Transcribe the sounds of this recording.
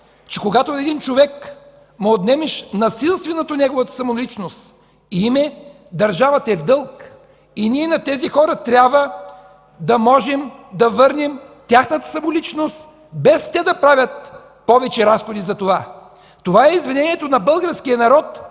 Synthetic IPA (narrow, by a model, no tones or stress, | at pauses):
t͡ʃɛkoɡat̪oɛd̪int͡ʃovɛk | məod̪nɛmɛʃnɐsilˠst̪vɛnot̪onɛɡovət̪ə̥sɐmolit͡ʃnost̪ | iimɛ | d̪ɐɾʒavɐt̪ɐɛvd̪ɤlˠk | iniɛnɐt̪ɛzixɔɾɐt̪ɾʲabvə | d̪ɐmɔʒɛmd̪ɐvɤɾnimt̪ʲjaxnət̪ə̥sɐmolit͡ʃnost̪ | bɛst̪ɛd̪ɐpɾavʲət̪̚ | pɔvɛt͡ʃɛɾasxod̪izɐt̪ova | t̪ovaɛizvinɛniɛt̪onɐbɤlˠɡəɾskijənɐɾɔt̪